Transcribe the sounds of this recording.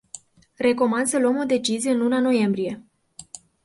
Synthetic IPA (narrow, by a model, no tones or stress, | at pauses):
re̞ko̞mand̪səluəmo̞d̪e̞t͡ʃizijeɨnlunano̞je̞mbɾije̞